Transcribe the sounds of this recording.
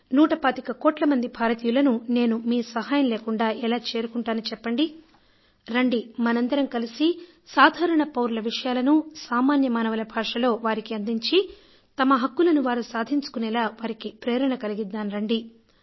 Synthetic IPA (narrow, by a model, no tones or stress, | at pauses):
nuːʈɐpaːt̪ikɐkoːʈlɐmɐnd̪ibʱaːɾɐt̪iːjulɐnune̞ːnumiːsɐɦaːjɐmleːkuɳɖaːʔɛlaːt͡ʃe̞ːɾukuɳʈaːnut͡ʃɛpːɐɳɖi | ɾɐɳɖimɐnɐnd̪ɐɾɐmkɐlisi | saːd̪ʱaːɾɐɳɐpɐwɾulɐʋiʂɐjaːlɐnusaːmaːnjɐmaːnɐʋɐlɐbʱaːʂɐlo̞ːʋaːɾikiɐnd̪iɲt͡ʃi | t̪ɐmɐɦɐkːulɐnuʋaːɾusaːd̪ʱiɲt͡ʃu̥kunɛlaːʋaːɾikipɾeːɾɐɳɐkɐliɡid̪ːaːnɾɐɳɖi